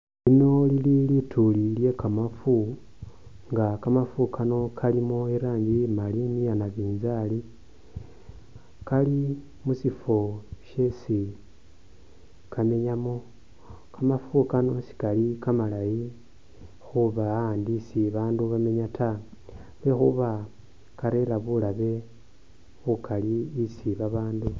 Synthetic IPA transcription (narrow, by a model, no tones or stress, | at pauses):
ino̞lililitʰulilje̞kamafu | ŋɡakamafukanokʰalimoeɾaːɲɟimalinijanaβiːnzali | kali | musifo̞ʃe̞si | kʰame̞ɲamo̞ | kamafukano̞si̥kalikamalaji | xuβandisiβaːnduβame̞ɲatʰa | βexuβa | kaɾe̞laβulaβe̞ | βukaliːsiβaβaːndu